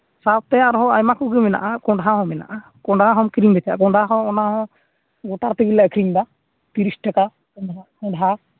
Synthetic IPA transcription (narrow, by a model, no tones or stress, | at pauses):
sap̚t̪ɛaɾɦɔ̃ajmakɔɡɛmɛna̰ʔakɔ̃ɳɖɦaɦɔ̃mɛna̰ʔa | kɔ̃ɳɖaɦɔmkɾiŋdɛt̪ʰaja̰kɔɖaɦɔ̃ɔnaɦɔ̃ | ɡɔʈaɾt̪iɡilaʔkɾiŋda | t̪iɾisʈaka | kɔakɔ̃ɖɦa